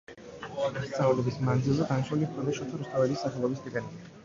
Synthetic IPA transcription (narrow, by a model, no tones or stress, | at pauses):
st̪sʼanulɛbismand̪zilˠzɛɡanaʃulimpʰɔmɛʃɔt̪ʰaɾust̪ʰavɛlisːaχɛlˠɔbisɡ̪ikʼɛni